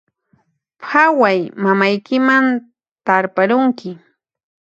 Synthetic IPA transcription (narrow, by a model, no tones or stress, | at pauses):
pʰawajmamajkɪman | t̪aɾpaɾʊŋkɪ